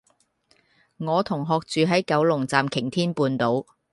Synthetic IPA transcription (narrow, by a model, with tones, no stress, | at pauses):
ŋɔː˨˧t̪ʰʊ˨˩ŋɦɔː˨˧k̚t͡ʃyː˨˧ɦɐ˨˥jkɐ˨˥wlʊ˨˩ŋt͡saː˨mkʰɪ˨˩ŋt̪ʰiː˥npuː˧nt̪o˨˥w